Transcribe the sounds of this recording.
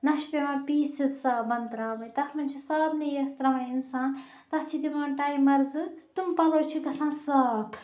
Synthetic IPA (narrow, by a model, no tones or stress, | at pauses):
nɐʃpemãːpiːsit̪saːbɐnt̪ɾaːbɐjt̪ɐsmɐnʲt͡ʃʰisɐbnijɐst̪ɾɐmãinsãːn | t̪ɐst͡ʃʰid̪imãːnʈaːjmɐɾzɨt̪umpɐlɐwt͡ʃʰiɡɐsãːsɐkʰ